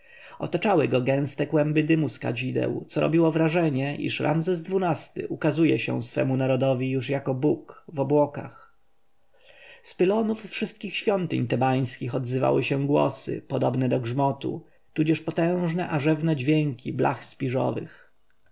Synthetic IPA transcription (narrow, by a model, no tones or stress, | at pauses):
ɔ̰t̪at͡ʂawɘɡɔɡɛ̃w̃st̪ɛkwɛmbɘd̪ɘmuska̰d͡ʑid̪ɛ̰wt̪sɔɾɔ̰bʲiwɔvɾaʐɛɲɛʔḭʂɾʔa̰mzɛzd̪vunast̪ɘ̰ʔukazujɛ̰ɕɛ̰̃sfɛ̰munaɾɔd̪ɔvʲijuʂjakɔbukvɔbwɔka̰x | spɘlɔnufːʂɘst̪̚kʲixɕfʲjɔnt̪ɘɲt̪ɛbaj̃skʲixɔd̪zɘva̰wɘɕɛɡwɔ̰sɘ̰pɔd̪ɔbnɛd̪ɔɡʐmɔt̪ṵ | t̪ud͡ʑɛʂpɔt̪ɛ̃w̃ʐnɛʔaʐɛvnɛd͡ʑvʲjɛŋkʲiblʔa̰xspʲiʐɔ̰vɘ̰x